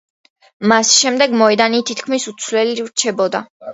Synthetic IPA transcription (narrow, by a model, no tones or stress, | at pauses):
masʃɛmd̪ɛɡmɔɛd̪anit̪ʰit̪kʰmisut̪sʰwlɛliɾt͡ʃʰɛbɔd̪a